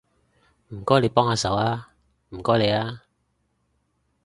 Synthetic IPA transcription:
m̩˨˩kɔː˥le˨˧jpɔː˥ŋhaː˨˧sɐ˨˥waː˥ | m̩˨˩kɔː˥jle˨˧jaː˥

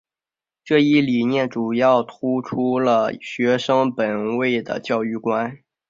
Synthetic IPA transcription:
ʈ͡ʂɤ˥˧i˥˩li˨˩njɛ˥˩nʈ͡ʂu˨˩jɑ˥˩ʊt̪ʰu˥ʈ͡ʂʰu˥lə˨ɕɥɛ˧˥ʂɤ˥ŋpə˨˩nwe˥˩ɪd̪ə̰˩t͡ɕjɑ˥˧ʊy˥˩kwa˥n

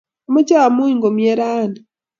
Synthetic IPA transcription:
o˨ma˦caː˦˨mu˦i˦ŋɡo˨mje˦ɾaː˦ndi

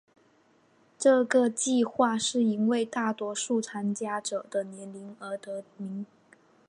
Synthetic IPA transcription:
ʈ͡ʂɤ˥˩ɡə˨˩t͡ɕi˥˧xwa˥˧ʂɻ̩˥˩i˧˥nwe˥˧ɪt̪a˥˩t̪wɔ˧˥ʂu˥˩t͡sʰa˥nt͡ɕja˥ʈ͡ʂɤ˨˩d̪̥ə˦njɛ˧˥nli˧˥ŋə˞˧˥t̪ɤ˧˥mi˧˥ŋ

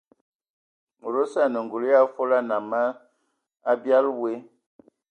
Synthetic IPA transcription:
ɾo˦sa˦˨nə˨ŋɡu˨lja˦fo˦la˦na˨mə˦ | a˦bja˦lwe˦

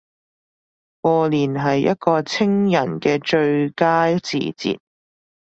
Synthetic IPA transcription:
kɔː˧liː˨˩nɦɐ˨jːɐ̰˥t̚kɔː˧t͡sʰɪ˥ŋjɐ˨˩nkɛː˧t͡ʃɵ˧ɥkaː˥t͡sḭː˨˩t͡sḭː˨t̚

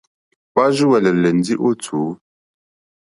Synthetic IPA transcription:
pa˦ʒu˦wɛ˨lɛ˨lɛ˨n˨˦di˦ʔo˦t͡sʰuː˨˦

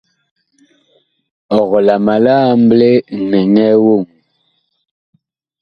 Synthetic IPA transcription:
ɔ˨ɣɔ˨la˨ma˨la˦m˦ble˦nɛ˨ŋɛ˦wo˦˨ŋ

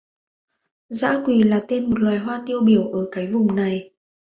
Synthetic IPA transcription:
za̰ː˧˥kwi˨˩laː˨˩t̪e˧nmo˨˩t̚lwaː˨˩jɦwaː˧nt̪i˧əwɓi˧˩əwʔəː˧˩kaː˨˦jvʊ˨˩ŋ͡mna˨˩j

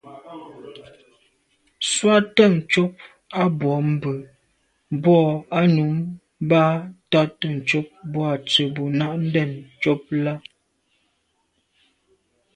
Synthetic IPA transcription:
swa˦tə˦˨ŋ̩˨t͡ʃo˦p̚ | a˦bwɔ˨˦m̩˦˨bə˨ | bɔ˦˨a˦nu˨˦m˦ | ba˦ta˦tə˨n̩˨t͡ʃo˦p̚bɔ˦a˨t͡sə˨bo˨na˦ʔn̩˦dɛ˦˨nt͡ʃo˦p̚la˦

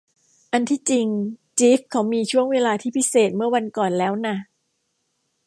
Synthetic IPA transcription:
ʔa˧nt̪ʰiː˥˩t͡ɕi˧ŋt͡ɕiː˦˥f̚kʰa˦˥wmiː˧t͡ɕʰu˥˩əŋweː˧laː˧t̪ʰiː˥˩pʰi˦˥seː˨˩t̪̚mɯ˥˩əwa˧nkɔː˨˩nlɛː˦˥wna˥˩

